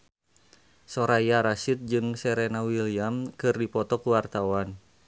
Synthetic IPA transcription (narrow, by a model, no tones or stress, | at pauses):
sɔɾajaɾasit̪̚d͡ʒɨŋsɛɾɛnawiliamkɨrdipɔt̪ɔkuwart̪awan